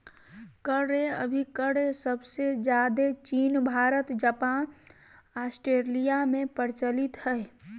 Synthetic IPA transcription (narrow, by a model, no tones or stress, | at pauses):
kəɾeə̰bʱikəɽesəbsed͡ʒjad̪et͡ʃiːnbʱaːɾət̪d͡ʒapan | asʈɾelijamẽpəɾt͡ʃəlit̪həɪ